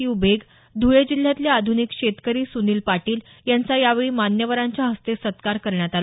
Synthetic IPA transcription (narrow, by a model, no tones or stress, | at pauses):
iːubeɡ | d̪ʱujed͡ʑil̤ːjat̪ljaad̪ʱunikɕet̪kəɾiːsuniːlpaʈiːl | jant͡sajaʋeɭiːmanjəʋəɾãɲt͡ɕjaɦəst̪esət̪kaɾkəɾɳjat̪alo